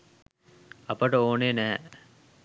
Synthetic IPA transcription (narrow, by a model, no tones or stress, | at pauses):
ɐpəʈəoːneːnæɦɛ̰